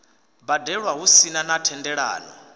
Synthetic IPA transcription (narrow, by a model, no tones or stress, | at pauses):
badɛɺwaɦusinanatʰɛndɛɺa̰ːnɔ̰